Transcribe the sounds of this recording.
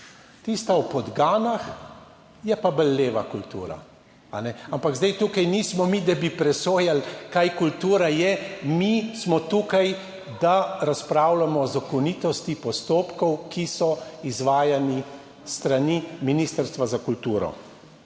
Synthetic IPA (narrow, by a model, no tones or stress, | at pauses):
t̪ist̪awpɔd̪ɡaːnax | jɛpabəlːeːʋakult̪ṵːɾa̰ | anɛampaɡzd̪ajt̪uːkajniːsmɔmid̪abipɾɛsoːjalkajkult̪uːɾajɛmismɔt̪uːkaj | d̪aɾaspɾawlamɔːzakɔnit̪ɔst̪ipɔst̪oːpkɔwkʰisɔizʋaːjani | st̪ɾaniminiːst̪əɾst̪ʋazakult̪uːɾɔ̰